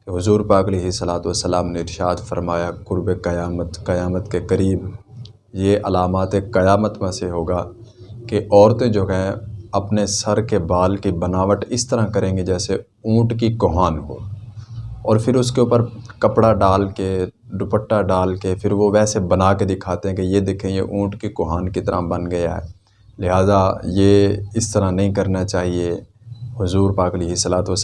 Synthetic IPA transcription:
ɦʊzuːɾpaːkɐleːɦɪsəlaːt̪ʋəsːəlaːmneɪɾʃaːd̪fəɾmaːjakʊɾbekɐjaːmət̪kɐjaːmət̪kekəɾiːb | jeʔɐlaːmaːt̪ekɐjaːmət̪mẽseɦoːɡaːkeʔɔːɾt̪ẽd͡ʒoːɦɛ̃ɐpnesəɾkebaːlkibənaːʋəʈɪst̪əɾãkəɾẽːɡed͡ʒɛːse | ũːʈkikoɦaːnɦo̰ː | ɔːɾpʰɪɾʊskeʊːpəɾkəpɽaɖaːlke | ɖʊpəʈːaɖaːlkepʰɪɾʋoʋɛːsebənaːked̪ɪkʰaːt̪eɦɛ̃kejed̪eːkʰẽɡḛʔũːʈkikʊɦaːnkit̪əɾa̰bənɡəja̰ɦɛ̰ː | lɪɦaːzajeːɪst̪əɾanɐɦĩkəɾnat͡ʃaːɦie | hʊzuːɾpaːkliɦɪslaːt̪os

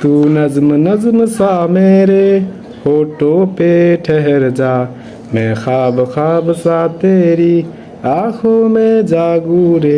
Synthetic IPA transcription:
t̪uːnɐzmnɐzmsaːmeːɾe | hoːʈoːpeːʈʰeɦɛɾd͡ʒaː | mẽːxaːbxaːbsaːt̪eːɾiː | aːkʰoːmẽːd͡ʒaːɡuːɾeː

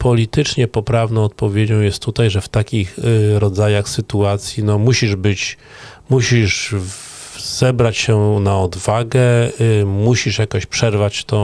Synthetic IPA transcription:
pɔlʲit̪ɘt͡ʂɲɛpɔpɾavnɔ̃w̃ɔt̪̚pɔvʲjed͡ʑɔ̃w̃jɛst̪ːut̪ajʐɛft̪akʲixɾɔd̪zajaxsɘt̪uat̪sʲjinɔmuɕiʐbɘt͡ɕ | muɕiʂ | z̥ɛbɾat͡ɕɕɛnaɔd̪vaɡɛ | muɕiʂjakɔ̃ɕpʂɛɾvat͡ɕt̪ɔ̃

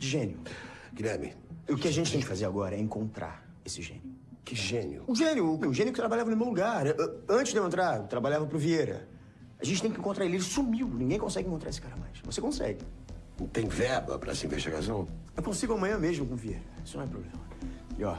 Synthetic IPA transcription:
d͡ʒɪʒẽnjʊɡ̥iɾɛɾmɪ̰ʊkɪaʒẽt͡ʃɪt̪ẽj̃kɪfazeɾaɡɔɾɐɛẽŋkõnt̪ɾa̰ɾ | esɪʒḛ̃njʊkɪʒẽnjʊ̰ʊʒẽnjʊːmeʊʒẽnjʊkɪt̪ɾabaʎavɐnʊmewluɡaʔɐ̃nt͡ʃɪʒd̪ew̃ẽnt̪ɾaɾt̪ɾabaʎavɐpɾʊvieɾɐ̰ | aʒẽnt͡ʃɪt̪ẽj̃kɪẽŋkõt̪ɾaɾelelsumiwd̪ʊnĩɡẽj̃kõsɛɡɪ̃ẽkõt̪ɾaesɪ̥kaɾɐmajsvo̰sekõsɛ̰ɡɪt̪ẽj̃vɛɾbɐ̰pɾɐ̰sĩvḛʃt͡ʃḭɡa̰sɐ̃w̃ | ewkõsiɡʊɐmɐ̃ɲɐ̃meʒmʊkõvieɾɐisʊnɐ̃ɛpɾo̰blẽmɐjɔ

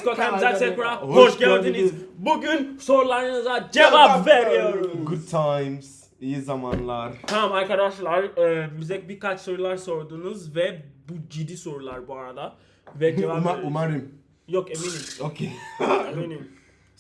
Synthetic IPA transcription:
kok̪ʰayzɛsɛkɾahoʃɟæɾd̪inizbuɟynso̞ɾulˠaɾɯnɯzad͡ʒevapveɾijo̞ɾuɡud̪̚t̪ʰːajmz̥ | ijizamanlˠaɾt̪ʰamamaɾkad̪aʃlˠaɾɯːmyzɛc̚biɾkat͡ʃso̞ɾulˠaɾso̞ɾd̪uːnuzvɛbud͡ʒid̪ːiso̞ɾulˠaɾbuaɾad̪a | vɛd͡ʒevaaumaɾɯm | jokeminimokʰeeminim

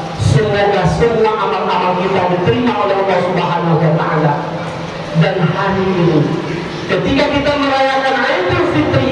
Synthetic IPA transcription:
sinaɲasirnaʔamat̪̚namakit̪adit̪əɾimaʔolɛalːasubəɦanaɦuat̪aʔala | danhaniʔinu | kət̪ikakit̪aməɾajakanrajt̪ərfit̪əi

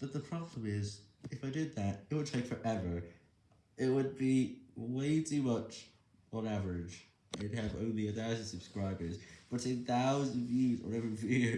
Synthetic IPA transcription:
b̥ʌt̪̚ðəpʰɹ̥ɑblə̃mɪz | ɨfaɪdɪd̪̚ðætɪt̚wəd̚tʰeɪkfə˞ʔɛvə˞ | ɪt̚wəd̚biweɪtʰʉmʌt͡ʃ | n̩ævəɹɪd͡ʒ | aɪd̚ɨvõ̰ʊ̃nliɨθaʊznsɨb̥skɹaɪbə˞zb̥ʌɾɨθaʊzəvjʉz̰nɛvɹivjʉʉ

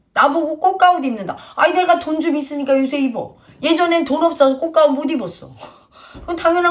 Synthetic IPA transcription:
naboɡok͈ok̚k͈aodimnɯnda̰aine̞ɡatond͡ʑumis͈ɯɲik͈ajosʰe̞ibʌ | je̞d͡ʑʌne̞tonʌp̚s͈adok͈ok̚k͈aomodibʌs͈ʌ̰ | ɯʌntʰaŋʌna

